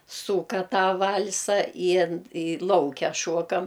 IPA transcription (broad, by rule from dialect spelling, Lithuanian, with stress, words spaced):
ˈsuːkɐ ˈtɑː ˈʋɐlˠsɐ ɪ ɪ ˈlˠɐʊkʲɛ ˈʃuɔkɐm